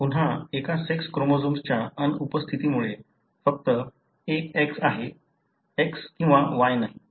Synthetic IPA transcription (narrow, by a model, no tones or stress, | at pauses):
pun̤ɦaekasekskɾomod͡zumst͡ɕjaənupəst̪ʰit̪imuɭe | fək̚t̪ə | eeksaɦe | ekskĩw̃ʋaʋajnaɦi